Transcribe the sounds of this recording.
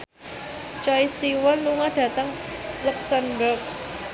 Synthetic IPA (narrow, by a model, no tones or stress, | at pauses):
t͡ʃaisiwɔnluŋaɖ̥ä̤t̪əŋlɛksanbərk